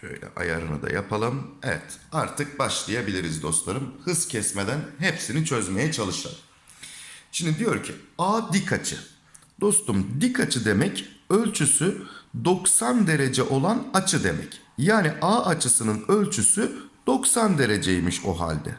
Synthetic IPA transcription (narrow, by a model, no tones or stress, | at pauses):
ʃø̰jlʲɛ̰ʔa̰ja̰ɾɯ̰nɯ̰d̪a̰ja̰pʰalˠɯmḛvɛ̰t̪aɾt̪ʰɯk̚baʃlˠajabilʲiɾizd̪o̞st̪lˠaɾɯmhɯzcʰɛsmed̪ænɦepsinit͡ʃʰø̞zme̞jɛt͡ʃʰalˠɯʃlˠa̰d̪ˠɯm | ʃimd̪id̪ijo̞ɾcʰiaːd̪ikʰat͡ʃʰɯ̰ | d̪̥o̞st̪umd̪ikʰat͡ʃʰɯd̪e̞mɛcø̞lʲt͡ʃʰysyd̪o̞ksand̪e̞ɾe̞d͡ʒɛʔo̞lˠanat͡ʃʰɯd̪e̞mɛ̰c | jaːniʔaːat͡ʃʰɯsɯnɯnø̞lʲt͡ʃʰysyd̪̥o̞ksand̪e̞ɾe̞d͡ʒejimiʃo̰ɦa̰lʲd̪ɛ̰